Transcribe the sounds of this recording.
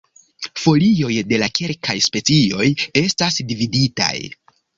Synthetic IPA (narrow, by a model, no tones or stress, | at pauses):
fo̞lio̞jde̞lakʰe̞lkʰajspe̞t͡sio̞je̞stasdividita̰j